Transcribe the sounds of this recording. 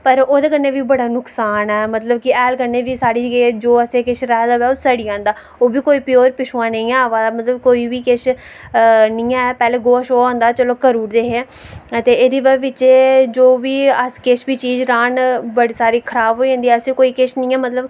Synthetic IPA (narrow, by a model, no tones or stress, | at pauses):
pəɾoːd̪eːkəɾneːʋiːbəɽaːnʊksaːnɛːmət̪ləb̚kɪɛːlkəɾneːʋiːsaːɽiːd͡ʒɡeːd͡ʒoːəsẽːkeʃɾɛːd̪aʋɛːosəɽiːãːnd̪aː | oːbiːkoːiːpɪjoːɾpɪʃoãːnəĩːɛːʋaːmət̪ləb̚koːiːʋiːkeʃ | nĩːɛ̃ːpɛːleːɡoːʃoːãːnd̪aːt͡ʃəloːkəɾuːɾd̪eːɦeː | ət̪eːeːd̪iːʋɛʋɪt͡ʃeːd͡ʒoːʋiːəskeʃbiːt͡ʃiːzɾaːnbəɽiːsaːɾiːkʰəɾaːbɦoːiãːnd̪iːɛːəsẽːkoːiːkeːʃnĩːɛːmət̪ləb